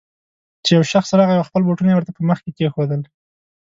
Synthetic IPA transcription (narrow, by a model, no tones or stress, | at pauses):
t͡ʃejawʃaxsɾɑɣajawaxpəlboʈunajewəɾt̪apəməxkek̪exod̪əl